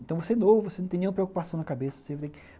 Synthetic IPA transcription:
ẽt̪ɐ̃w̃voseɛnovʊvosenɐ̃t̪ẽnẽũmpɾeokupasɐ̃w̃nɐkabesɐo̥sevt̪ẽj̃k

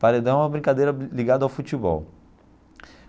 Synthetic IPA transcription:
paɾed̪ãũmɐbɾĩŋkad̪ejɾɐliɡad̪ʊawfut͡ʃibɔ̰w

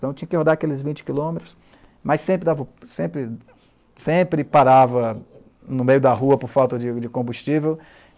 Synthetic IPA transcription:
t̪ɐ̃w̃t͡ʃĩɲɐkɪhod̪aɾakelɪzvĩnt͡ʃɪ̥kilõmet̪ɾʊs | mɐjsẽpɾɪd̪avɐsẽpɾɪ | sẽpɾɪpaɾavɐ | nʊmejʊd̪ɐɦuɐpʊɾfawt̪ɐd͡ʒɪd͡ʒɪkõbust͡ʃivew

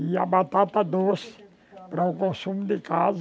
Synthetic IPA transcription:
iɐbat̪at̪ɐd̪osɪ̥ | pɾɐukõsũmʊd̪ɪkaz

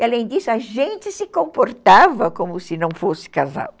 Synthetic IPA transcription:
ialẽj̃d̪isʊɐʒẽnt͡ʃ̪ɪsɪkõmpoɾt̪avɐkõmʊsɪnɐ̃w̃fosɪ̥kaza̰w

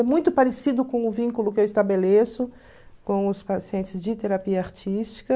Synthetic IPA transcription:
ɛmũj̃t̪ʊpaɾesid̪ʊkõw̃ʊvĩŋkulʊkɪewɪst̪abelesʊ | kõw̃ʊspasiẽnt͡ʃɪzd͡ʒɪt̪eɾapiɐaɾt͡ʃist͡ʃi̥kɐ

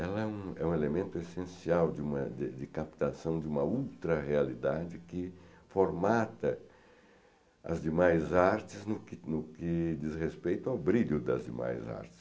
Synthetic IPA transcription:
ɛlɐɛũɛũelemẽnt̪ʊesẽsiawd͡ʒ̪ɪũmɐd̪ɪd̪ɪkapt̪asɐ̃w̃d͡ʒɪũmɐuwt̪ɾɐʁealid̪ad͡ʒɪkɪ | foɾmat̪ɐ | ɐ̰zd̪ɪmajzaɾt͡ʃ̪ɪznʊkɪnʊkɪd͡ʒ̪izʁespejt̪ʊawbɾiʎʊd̪ɐzd̪ɪ̰ma̰jza̰ɾt͡ʃ̪ɪ̥s

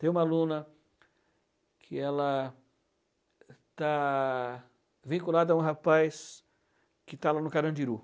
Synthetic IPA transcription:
t̪ẽj̃ũmɐalũnɐ | kʰɪɛlɐ | t̪a | vĩkulad̪ɐaũɦapajs | kɪt̪alanʊkaɾɐ̃d͡ʒiɾu

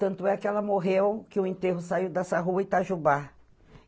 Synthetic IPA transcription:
t̪ɐ̃nt̪ʊɛkɪɛlɐmoɦewkɪʊẽnt̪eɦʊsaiwd̪ɛsɐɦuɐɪt̪aʒuba

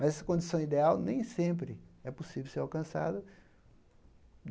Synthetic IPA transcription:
mɐzɛsɐ̥kõd͡ʒisɐ̃w̃id̪eawnẽj̃sẽmpɾɪɛposivewseɾawkɐ̃sa̰d̪ɐ

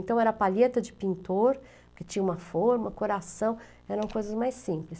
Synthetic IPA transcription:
nt̪ɐ̃w̃ɛɾɐpaʎet̪ɐd͡ʒɪpĩnt̪oɾ | kɪt͡ʃĩɲɐũmɐfoɾmɐkoɾasɐ̃w̃ | ɛɾɐ̃w̃kojzɐzmajsĩplɪs

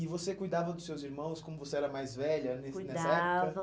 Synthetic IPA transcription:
ɪvosekujd̪avɐd̪ʊsːewziɾmɐ̃w̃skõmʊvoseɛɾɐmajzvɛʎɐnsnɛsɐɛkɐɐ

